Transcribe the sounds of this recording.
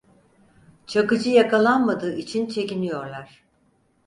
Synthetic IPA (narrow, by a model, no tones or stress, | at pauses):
t͡ʃʰakɯd͡ʒɯjakalˠanmad̪ɯːit͡ʃʰint͡ʃʰe̞cinijo̞ɾlˠaɾ̥